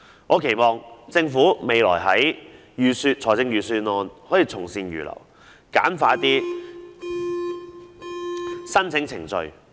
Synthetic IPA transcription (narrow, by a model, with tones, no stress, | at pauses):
ŋʔɔː˨˧kʰe˨˩jmɔː˨˧ŋt͡sɪ˧ŋfuː˨˥me˨˧jlɔ̰ː˨˩jɦɐ˨˥j | jyː˨˧syː˧t̚t͡ʃʰɔː˨˩jt͡sɪ˧ŋjyː˨˧syː˧nɔː˧nhɔː˨˥jiː˧t͡sʰʊ˨˩ŋsiː˧njy̰ː˨˩lʔɐ̰˨˩w | ka̰ː˨˥nfaː˧˥t̪iː˥ | sɐ˥nt͡sʰɪ˨˥ŋt͡sʰɪ̰˨˩ŋt͡ʃɵ˧ɥ